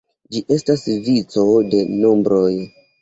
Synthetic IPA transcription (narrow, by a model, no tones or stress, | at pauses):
d͡ʒiʔe̞stasvit͡so̞de̞no̞mbɾoj